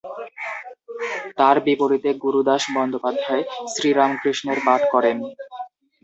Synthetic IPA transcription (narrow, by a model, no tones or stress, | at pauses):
t̪aɾbipoɾit̪eɡuɾud̪aʃbɔnd̪opad̪ʱːaesɾiɾamkɾiʃneɾbaʈkɔɾen